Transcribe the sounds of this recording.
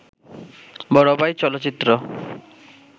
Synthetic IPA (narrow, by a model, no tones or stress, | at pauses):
bɔɽɔbajt͡ʃɔlɔt͡ʃit̪ɾɔ